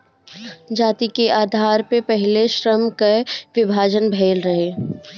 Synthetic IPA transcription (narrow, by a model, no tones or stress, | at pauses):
d͡ʒaːt̪ikeʔaːd̪ʱaːɾpepɛɦɪleʃɾəmkeʋɪbʱaːd͡ʒənbʱeːlɾɐɦeː